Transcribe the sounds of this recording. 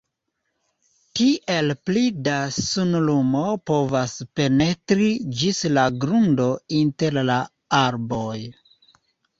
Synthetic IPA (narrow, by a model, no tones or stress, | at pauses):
tiʔe̞lplidasunlumo̞po̞vaspe̞ne̞tɾid͡ʒislaɡɾundo̞inte̞ɾla | aɾbo̞j